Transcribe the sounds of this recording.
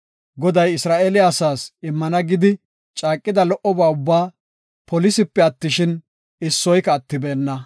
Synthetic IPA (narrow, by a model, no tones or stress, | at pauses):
ɡɔd̪ɐjɪsɾaːʔeːlɪjaːsaːsɪmːɐnɐɡɪd̪ɪ | t͡ʃʼaːkʼːɪd̪ɐlɔʔɔbaːʊbːaː | pɔlɪsɪpːɛɐt̪ːɪʃɪn | ɪsːɔjkɐːt̪ːɪbɛːnːɐ